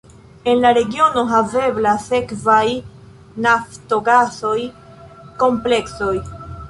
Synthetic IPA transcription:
e̞nlaɾe̞ɡio̞no̞ɦave̞blase̞kvaj | nafto̞ɡaso̞j | ko̞mple̞kso̞j

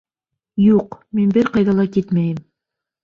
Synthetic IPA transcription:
juqminbɘɾqɑjðɑlˠɑkit̪mæjɘm

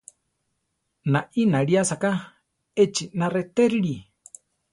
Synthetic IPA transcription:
naʔinaɺiasaka | et͡ʃinaret̪eɾiɺi

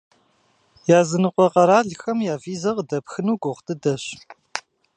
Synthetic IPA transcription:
jaːzɨnɨqʷɔqɐɾaːɮxɐmjaːviːzɐʁdɐpxɨnuːɡʷʊʁtʰʼɨdɐɕ

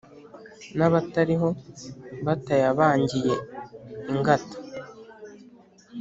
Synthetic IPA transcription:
naβataɾiɦo̞βatajaβaːɲɟije̞iŋɡatḁ

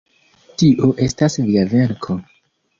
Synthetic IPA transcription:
tiʔoʔe̞stasviaveɾkʰo

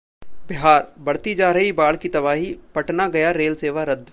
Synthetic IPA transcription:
b̥ɪɦaːɾbɐɽt̪id͡ʒaːɾɐɦibaːɭkit̪ɐbaːɦipɐʈnaɡɐjaɾeːlseːʋaɾɐd̪

